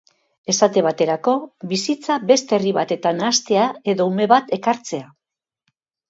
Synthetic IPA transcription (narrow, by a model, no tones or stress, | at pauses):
e̞sat̪e̞β̞at̪e̞ɾako̞βisit͡saβe̞st̪e̞riβat̪e̞t̪anast̪e̞ae̞ðo̞ume̞βat̪e̞kaɾt͡se̞a